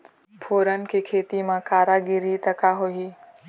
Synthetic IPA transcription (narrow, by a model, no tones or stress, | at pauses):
pʰoːɾənɪ̆kʰeːkʰeːt̪imãkaːɾaɡɪɾit̪ɐkaɦoɦiː